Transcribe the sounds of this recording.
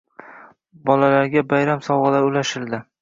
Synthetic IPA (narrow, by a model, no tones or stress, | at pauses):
bɒlalaɾɡʲabajɾamsɒwʁɨlaɾʊlaʃɪld̪ɪ